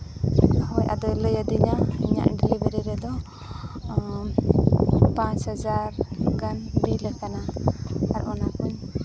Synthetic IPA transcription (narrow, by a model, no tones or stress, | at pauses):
hɔjʔa̰d̪ɔjləjəd̪iɲaḭɲa̰ʔɖɛlibɛɾiɾɛd̪ɔ | pãt͡ʃhad͡ʒaɾkanbiləkanaaɾʔɔnakuɲ